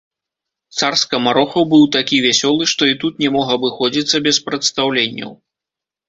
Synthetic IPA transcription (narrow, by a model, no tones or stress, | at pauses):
t̪sarskɐmaɾɔxɐwbɨwt̪akʲivʲasʲɔlˠɨʂt̪ɔit̪ut̪nʲɛmɔɣɐbɨxɔd͡zʲit̪sːɐbʲɛspɾɐt̪st̪awlʲenʲːɐ̰w